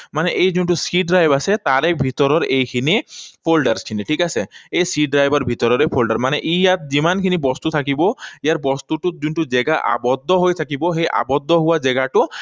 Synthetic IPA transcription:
manɛʔejzunʈusiɖ̚ɾajbasɛt̪aɾebʱit̪ɔɾɔɾejkʰinipʰolɖaɾskʰiniʈʰikaseejsiɖ̚ɖɾajbʱɔɹbʱit̪ɔɾɔɾepʰolɖaɾmanɛʔijat̪̚zimankʰinibɔst̪ut̪ʰakibɔijaɹbɔst̪uʈut̪̚zunʈuzɛɡaʔa̰bɔd̪ʱːɔɦojt̪ʰakibɔɦejʔa̰bɔd̪ʱːɔɦuwazɛɡaʈu

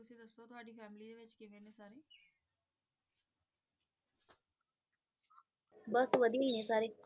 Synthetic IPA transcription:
ʊsed̪ɐst̪ot̪ʰʊaːɖiːfɛːmlid̪eʋɪt͡ʃkeʋenẽsaːɾe | bɐsʋəd̪ʱiɦinẽsaːɾe

